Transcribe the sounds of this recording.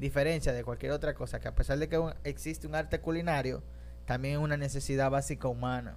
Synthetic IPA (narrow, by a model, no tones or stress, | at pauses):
d̪ife̞ɾe̞nsjaðe̞kwalkje̞ɾo̞t̪ɾako̞sake̞ape̞saɾðe̞keueksist̪euŋaɾt̪e̞kulinaɾjo̞ | t̪ambjeŋunane̞se̞siðaβasikaumãna̰